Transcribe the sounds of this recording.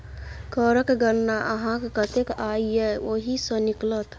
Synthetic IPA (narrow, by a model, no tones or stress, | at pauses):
kəɾəkɡəɾnaʔɐɦãkkət̪ekaːieʋoɦisənɪklət̪